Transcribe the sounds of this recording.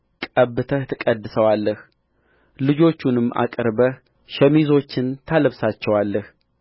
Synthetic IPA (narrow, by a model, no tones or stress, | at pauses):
kʼəβːɨt̪ʰət̪ʰɨkʼəd̪ːɨsəwalːəh | lɨd͡ʒo̞t͡ʃːunɨmːʔa̰kʼɾbəh | ʃɛmizo̞t͡ʃːɪnt̪ʰaləβsat͡ʃːɛwalːəh